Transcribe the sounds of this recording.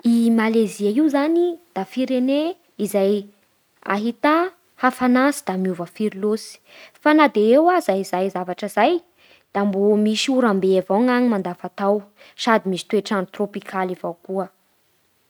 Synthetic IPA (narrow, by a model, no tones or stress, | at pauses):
imaleziaiwzanid̪̥afiɾene | izaj | a̰ɦit̪a | hafanasid̪̥amiuvəfiɾilosi̥ | fanad̪eewazaizajzavaʈ͡ʂəzaj | d̪̥ambomiʃuɾambeavaŋaɲimand̪afat̪aw | sad̪imisi̥t̪ueʈ͡ʂanut̪ropikʰalivawkuə